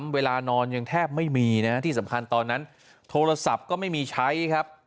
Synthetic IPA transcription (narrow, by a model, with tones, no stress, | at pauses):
mweː˧laː˧nɔː˧nja˧ŋt̪ʰɛː˥˩p̚ma˥˩jmiː˧na˦˥t̪ʰiː˥˩sa˩˦mkʰa˧nt̪ɔː˧nːa˦˥n | t̪ʰoː˧ɾa˧sa˨˩p̚kɔː˥˩ma˥˩jmiː˧t͡ɕʰa˦˥jkʰa˦˥p̚